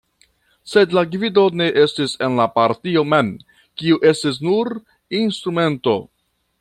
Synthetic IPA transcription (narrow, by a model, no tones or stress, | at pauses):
se̞dlaɡvido̞ne̞ʔe̞stise̞nlapaɾtio̞men | kiuʔe̞stis̬nuɾ | instɾume̞nto̞̰